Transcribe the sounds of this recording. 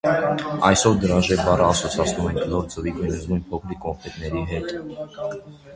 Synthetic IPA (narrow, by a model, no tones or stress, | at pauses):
ɑjsɔvd̪əɾɑʒɛbɑrəːsɔt͡sʰɑt͡sʰnumɛŋkʰnɔɾt͡səvikujnəzmujnpʰɔkʰɾikɔɱfʰɛt̪nɛɾiɦɛt̪